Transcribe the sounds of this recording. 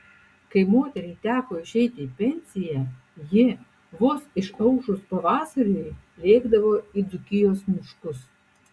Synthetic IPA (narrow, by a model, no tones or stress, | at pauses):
kɐɪmoːt̪ʲɛɾʲɛɪt̪ʲæːkoːɪʃʲɛɪt̪ʲɪipʲɛnʲsʲɪjɛ | jɪ | ʋʊsɪʃɐʊʃʊspɐʋɑːsɐɾʲujlʲeːɡd̪ɐʋoːid̪ʊkʲɪjoːsmʲʊʃkʊs